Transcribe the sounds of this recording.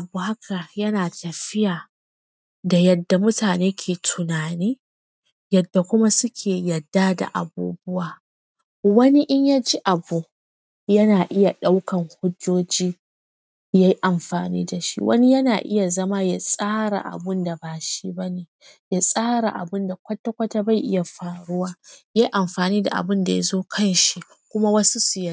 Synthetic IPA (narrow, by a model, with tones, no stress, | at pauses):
ʔa˨buː˨ha˦kʰa˨jɐ˦naː˨tɐ˨ɸɪ˦jaː˨ | da˨jɐ˨dːa˨mʊ˦taː˨neː˦kʲʰeː˨tʰʊ˨naː˨niː˦ | jɐ˨dːa˨kʷʊ˦ma˦sʊ˦kʲʰeː˨jɐ˨dːa˦da̰˨ʔa̰˨bṵː˦bʊ˦waː˨ | wɐ˦ni˦ʔɪ˦ɲja˦d͡ʒi˦ʔa˨bu˨ | jɐ˦naː˨ʔɪ˦ja˨ɗa˦wkɐ˨ŋhʊ˦d͡ʒoː˦d͡ʒiː˦ | ja˦ji˦ʔa˨mɸaː˨nḭː˦da˨ʃḭ˦wʔɐ̰˦ni˦jɐ˦naː˨ʔɪ̰˦ja˨zɐ˦ma˦ja̰˦˨sʼaː˦ɾa̰˨ʔa̰˨bʊ˦nda˨baː˨ʃi˦bɐ˦neː˨ | ja˦˨sʼaː˦ɽa̰˨ʔa̰˨bʊ˦nda˨kʷɐ˦tːa˦kʷɐ˦ta˦ba˦˨jʔɪ˦ja˨ɸaː˨ɽʊ˦waː˦ja˦ji˦ʔa˨mɸaː˨niː˦da̰˨ʔa̰˨bʊ˦nda˨ja̰˦zoː˦kʰɐ˦˨nʃi˦ | kʷʊ˦ma˦wɐ˦su˦su˨jɐ˦